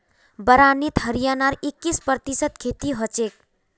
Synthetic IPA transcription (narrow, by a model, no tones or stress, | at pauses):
bəɾanit̪ɦəɾijanaɾikːispt̪isət̪̚kʰet̪iɦʌt͡ʃek̚